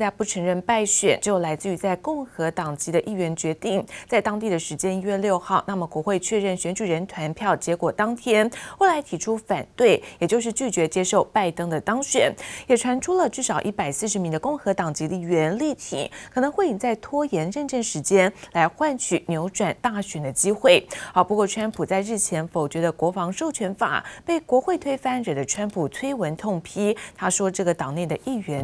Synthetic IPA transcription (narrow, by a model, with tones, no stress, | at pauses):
t̪a˥˧pu˥˩ʈ͡ʂʰɤ˧˥ŋɻə˥˧npa˥˩ɪɕɥɛ̰˨˩nʈ͡ʂ̩˧˥jo˨˩ʊla˧˥ɪt͡sɹ̩˥˩y˧˥t͡sa˥˧ɪkʊ˥˩ŋxɤ˧˥t̪ɑ˨˩ŋt͡ɕi˧˥d̪ə˧ʔi˥˩ɥɛ˧˥nt͡ɕɥɛ˧˥t̪i˥˩ŋt͡sa˥˩ɪt̪ɑ˥ŋt̪i˥˩d̪ə˩ʂɻ̩˧˥t͡ɕjɛ˥ni˥ɥɛ˥˧ljo˥˧ʊxɑ˥˩ʊna˥˩mə˩kwɔ˧˥xwe˥˧ɪt͡ɕʰɥɛ˥˧ɻə˥˩nɕɥɛ˧˥nt͡ɕy˨˩ɻə˧˥nt̪ʰwa˧˥npʰjɑ˥˩ʊt͡ɕjɛ˧˥kwɔ˨˩t̪ɑ˥ŋt̪ʰjɛ˥nwe˥˩ɪla˧˥ɪt̪ʰi˧˥ʈ͡ʂʰu˥fa˨˩nt̪we˥˩ɪjɛ˨˩t͡ɕjo˥˧ʊʂ̬ɻ̩˥˧t͡ɕy˥˩t͡ɕɥɛ˧˥t͡ɕjɛ˥ʂo˥˧ʊpa˥˩ɪt̪ɤ˥ŋd̪ə˨t̪ɑ˥ŋɕɥɛ̰˨˩˦njɛ˨˩ʈ͡ʂʰwa˧˥nʈ͡ʂʰu˥lə˨ʈ͡ʂɻ̩˥˩ʂɑ˨˩ʊʔi˥˩pa˨˩ɪsɹ̩˥˩ʂ̬ɻ̩˧˥mi˧˥ŋd̪ə˧kʊ˥˩ŋxɤ˧˥t̪ɑ˨˩ŋt͡ɕi˧˥d̪ə˧i˥˩ɥɛ˧˥nli˥˩t̪ʰḭ˨˦kʰɤ˨˩nɤ˧˥ŋxwe˥˩ɪi˧˩nt͡sa˥˩ɪt̪ʰwɔ˥jɛ˧˥nɻə˥˧nʈ͡ʂə˥˩nʂɻ̩˧˥t͡ɕjɛ˥nla˧˥ɪxwa˥˧nt͡ɕʰy˨˩njo˧˥ʊʈ͡ʂwa˨˩nt̪a˥˩ɕɥɛ˨˩nd̪ə˦t͡ɕi˥xwe˥˩ɪxɑ˨˩ʊpu˧˥kwɔ˥˩ʈ͡ʂʰwa˥npʰu˨˩t͡sa˥˧ɪɻɻ̩˥˩t͡ɕʰjɛ˧˥nfo˨˩ʊt͡ɕɥɛ˧˥d̪ə˧kwɔ˧˥fɑ˧˥ŋʂo˥˩ʊt͡ɕʰɥɛ˧˥nfa̰˨˩pe˥˩ɪkwɔ˧˥xwe˥˩ɪt̪ʰwe˥ɪfa˥˩nɻə˨˩d̪ə˦ʈ͡ʂʰwa˥npʰu˨˩t̪ʰwe˥ɪwə˧˥nt̪ʰʊ˥˩ŋpʰi˥t̪ʰa˥ʂwɔ˥ʈ͡ʂɤ˥˩ɡə˩t̪ɑ˨˩ŋne˥˩ɪd̪ə˩ʔi˥˩ɥɛ˧˥n